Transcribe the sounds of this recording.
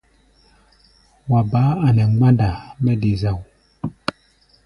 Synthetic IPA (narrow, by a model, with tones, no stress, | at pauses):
wa˨ba˨˦a˨nɛ˨ŋ˦ɡ͡ba˦nda˨mɛ˦de˨za˨w